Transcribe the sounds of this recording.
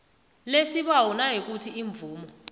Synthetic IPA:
lesiɓawɔnaɦik̬utʰiiɱb̪vuːmɔ

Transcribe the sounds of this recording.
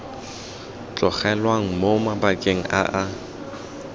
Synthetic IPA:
t͡ɬʼɔχɛlwaŋ̩momabakʼeŋ̩ʔa̰ʔa

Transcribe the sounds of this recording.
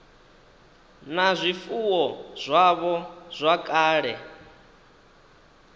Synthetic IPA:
nazʷifuwɔz̥ʷaβɔz̥ʷakʼaːɺɛ

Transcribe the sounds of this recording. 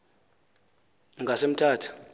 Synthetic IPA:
ŋɡʱasem̩tʰaːtʰu̥

